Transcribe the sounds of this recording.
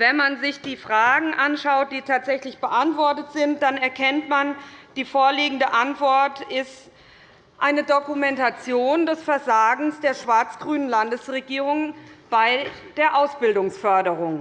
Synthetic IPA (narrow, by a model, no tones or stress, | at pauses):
vɛnmanzɪçd̥iːfʁ̥aːɡŋ̩ʔanʃaʊt̚d̥iːtʰaːtz̥ɛçlɪçb̥əʔantv̥ɔɐtətz̥ɪnt̚d̥anɛɐkʰɛntmand̥iːfoːɐliːɡŋ̩dəʔantv̥ɔɐtɪst | ʔaɪnədokumɛntat͡sjoːndɛsfɛɐzaːɡŋ̩sd̥eːɐʃv̥aɐt͡sɡ̥ʁyːnənlandəsʁeɡiːʁ̞ʊŋb̥aɪd̥eːɐʔaʊsb̥ɪldʊŋsfœɐdəʁʊŋ